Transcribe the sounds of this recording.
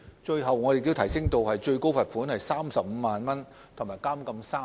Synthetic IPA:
t͡ʃɵ˧ɥɦɐ˨wŋɔː˨˧de˨˩ji˧wt̪ʰɐ˨˩jsɪ˥ŋt̪o˧whɐ˨jt͡ʃɵ˧ɥko˥wfɐ˨t̚fuː˨˥nhɐ˨jsaː˥msɐ˨p̚m̩ː˨˧maː˨˩nmɐ˥n | t̪ʰʊ˨˩ŋmaː˨˩jkaː˥mkɐ˧msaː˥

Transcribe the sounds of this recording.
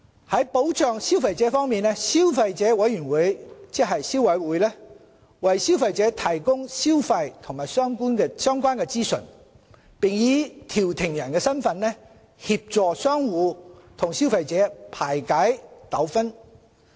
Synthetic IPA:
hɐ˨˥jpo˨˥wt͡ʃʰœː˨˧ŋsi˥wfɐ˨˧jt͡sɛː˨˥fɔː˥ŋmiː˨nlɛ˥si˥wfɐ˧jt͡sɛː˨˥wɐ˨˥jjyː˨˩nwuː˨˥jt͡sɪ˥kɦɐ˨jsi˥wɐ˨˧˥jwuː˨˥jlɛ˥ | wɐ˨jsi˥wfɐ˧jt͡sɛː˨˥t̪ʰɐ˨˩jkʊ˥ŋsi˥wfɐ˧jt̪ʰʊ˨˩ŋmaː˨˩jsœː˥ŋkuː˥nkɛː˧sœː˥ŋkʷwaː˥nkɛː˧t͡siː˥sɵ̰˨˩n | pɪ˨ŋjiː˨˧t̪ʰiː˨˩wt̪ʰɪ˨˩ŋjɐ˨˩nkɛː˧sɐ˥nfɐ˧nlɛ˥ | hi˧p̚t͡sɔː˨sœː˥ŋwuː˨˧t̪ʰʊ˨˩ŋsi˥wfɐ˧jt͡sɛː˨˥pʰaː˨˩jkaː˨˥jt̪ɐ˨˥wfɐ˥n

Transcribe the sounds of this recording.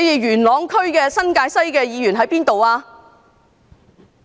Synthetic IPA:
ji˨jyː˨˩nlɔː˨˧ŋkʰɵ˥ɥkɛː˧sɐ˥nkaː˧jsɐ˥jkɛː˧jiː˨˧jyː˨˩nɦɐ˨˥jpiː˥nt̪o˨waː˧

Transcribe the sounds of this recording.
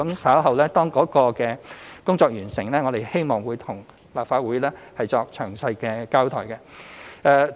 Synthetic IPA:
ɐ˨˥msaː˨˥wɦɐ˨wlɛː˥t̪ɔː˥ŋkɔː˨˥kɔː˧kɛː˧kʊ˥ŋt͡sɔː˧k̚jyː˨˩nsɪ˨˩ŋlɛː˥ŋɔː˨˧ɾe˨jhe˥jmɔː˨˩ŋwuː˨˧jt̪ʰʊ˨˩ŋ | laː˨p̚faː˨˧t̚wuː˨˥jlɛː˥hɐ˨jt͡sɔː˧k̚t͡ʃʰœː˨˩ŋsɐ˧jkɛː˧kaː˥wt̪ʰɔː˨˩jkɛ˧ɛː˧

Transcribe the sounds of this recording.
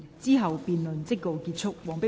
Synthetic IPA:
t͡siː˥ɦɐ˨wpiː˨nlɵ˨nt͡sɪ˥kːo˨wkiː˧t̚t͡sʰʊ˥k̚wɔː˨ŋpɪ˥

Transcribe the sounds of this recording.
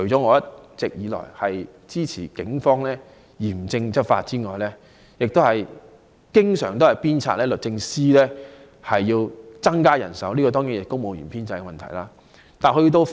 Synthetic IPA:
kʰɵ˨˩jt͡sɔː˨˦˥ŋɔː˨˧˥jɐ˥t̚t͡sɪ˨k̚jiː˨˧lɔ̰ː˨˩jhɐ˨j | t͡siː˥t͡sʰiː˨˩kɪ˨˥ŋfɔː˥ŋlɛː˥ | jiː˨˩mt͡sɪ˧ŋt͡sɐ˥t̚fa̰ː˧t̚t͡siː˥ŋɔː˨˩jlɛ˥ | jɪ˨k̚t̪o˥whɐ˨j | kɪ˥ŋsœ̰ː˨˩ŋt̪o˥hɐ˨jpiː˥nt͡sʰa̰ː˧t̚lɛː˥lɵ˨t̚t͡sɪ˧ŋsiː˥lɛː˥ | hɐ˨jːiː˧wt͡sɐ˥ŋkaː˥jɐ̰˨˩nsɐ˨˥wliː˥kɔː˧t̪ɔː˥ŋiː˨˥jɪ˨k̚t̪o˥wmo˨˧wjḭː˨˩pʰiː˥nt͡sɐ˧jkmɐ˨nt̪ʰɐ̰˨˩jlaː˧ | t̪aː˨˩hɵ˧˥t̪̬o˧w

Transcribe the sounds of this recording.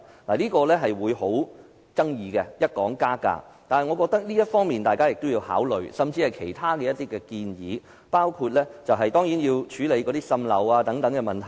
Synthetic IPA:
laː˨˩liː˥kɔː˧lɛː˥ɦɐ˨jwuː˨˧jho˨˥w | t͡sɐ˥ŋjiː˨˧kɛ˧jɐ˥t̚kɔː˨˥ŋkaː˥ka̰ː˧t̪aː˨nhɐ˨jŋɔ˨˧kɔː˧k̚t̪ɐ˥k̚liː˥jɐ˥t̚fɔː˥ŋmiː˨nt̪aː˨jkaː˥jɪ˨k̚t̪o˥wjiː˧wha̰ː˨˥wlɵ̰˨ɥsɐ˨mt͡siː˧hɐ˨jkʰe˨˩jt̪ʰaː˥kɛ˧jɐ˥t̪iː˥kɛː˧kiː˧njḭː˨˧ | paː˥wkʰuː˧t̚lɛ˥t͡sɐ˨wɦɐ˨jt̪ɔː˥ŋji˨˥njiː˧wt͡ʃʰyː˨˥le˨˧jkɔː˨˧˥t̪iː˥sɐ˧mlɐ̰˨waː˧t̪ɐ˨˥ŋt̪ɐ˨˥ŋkɛ˧mɐ˨˩nt̪ʰɐ˨˩

